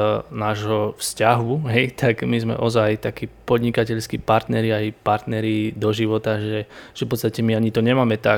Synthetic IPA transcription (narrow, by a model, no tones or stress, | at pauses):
naːʒɦɔfscaɦuɦɛjt̪ʰaɡmizmɛ̰ʔɔzajt̪akiːpɔd̪ɲikacɛʎskipaɾt̪nɛɾiajpaɾt̪nɛɾid̪ɔʒiʋɔt̪aʒɛʒ̥ɛfpɔtst̪acɛmiaɲit̪ɔɲɛmaːmɛt̪a